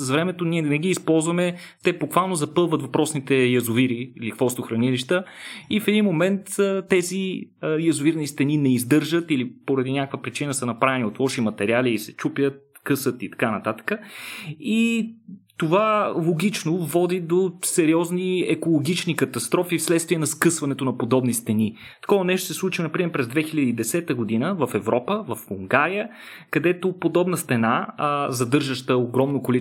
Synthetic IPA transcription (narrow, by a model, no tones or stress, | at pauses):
svɾɛmɛt̪oniɛnɛɡiːspɔlˠzvɐmɛ | t̪ɛbokvalˠnozɐpɤlˠvət̪vɐpɾɔsnit̪ɛjɐzʊviɾiilixvɔst̪oxɾɐniliʃt̪əifɛd̪inmomɛnt̪t̪ːɛzijɐzʊviɾnist̪ɛninɛizd̪ɤɾʒət̪ilipoɾɐd̪inʲakəkvəpɾit͡ʃinəsənɐpɾavɛniot̪lˠɔʃimɐt̪ɛɾialiːsɛt͡ʃupjət̪̚ | kɤsət̪it̪ɐ̥kanɐt̪at̪ə̥kə | i | t̪ovalˠoɡ̟ʲit͡ʃnovɔd̪id̪osɛɾiɔzniɛkolˠoɡit͡ʃnikɐt̪ɐst̪ɾɔfifslɛt̪st̪viɛnɐskɤsvɐnɛt̪onɐpod̪ɔbnist̪ɛni | t̪ɐ̥kɔɐnɛʃosɛslˠut͡ʃinɐpɾimɛɾpɾɛzd̪vɛxilʲəd̪iːd̪ɛsɛt̪əɡod̪inəvɐfɛvɾʔɔpəvɐfuŋɡaɾijə | kɐd̪ɛt̪opod̪ɔbnəst̪ɛnazɐd̪ɤɾʒəʃt̪əoɡɾɔmnokoli